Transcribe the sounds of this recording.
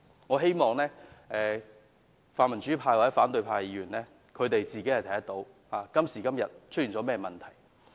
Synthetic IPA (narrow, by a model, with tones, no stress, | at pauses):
ŋɔː˨˧ɦe˥jmɔː˨˧ŋlɛː˥ʔɛː˨ | faː˨nmɐ˨˩nt͡ʃyː˨˥pʰaː˧jwa˨t͡sɛ˨˥faː˨˥nt̪ɵ˧ɥpʰaː˧jjiː˨˧˥ɥyː˨˩nlɛː˥ | kʰɵ˨˧ɥt̪e˨jt͡siː˨ke˨˥hɐ˨jt̪ʰɐ˨˩jɐ˥t̪o˨˧˥w | haː˨˩kɐ˥msiː˨˩kɐ˥mjɐ˨t̚t͡ʃʰɵ˥jiː˨˩nt͡sɔː˨˥mɛː˥mɐ˨nt̪ʰɐ˨˩j